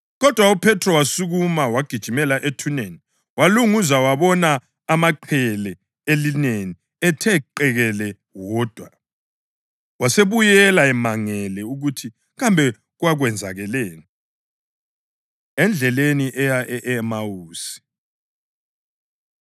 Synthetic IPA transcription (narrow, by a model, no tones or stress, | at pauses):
ɣɔd̥ʱwaupʰɛtʰrɔwasuɣumawaɡ̥ʱid̥ʒ̥ʱimɛlaʔetʰuneni | waluŋuzawaβɔnaː | maǃʰɛlɛ | elineni | ɛtʰɛǃɛɣɛlɛ | wɔd̥ʱwa | waseβujɛlaɛmaŋɛlɛuɣutʰi | ɣambʱɛ | ɣwaɣwɛnd͡zʱa̰ɣɛleːni | ɛnd͡ɮʱɛleniʔɛjaʔɛʔɛmawuːsi̥